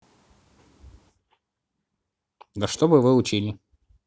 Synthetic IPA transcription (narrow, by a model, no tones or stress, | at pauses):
d̪ɐʂt̪obɨvɨʊt͡ɕilʲɪ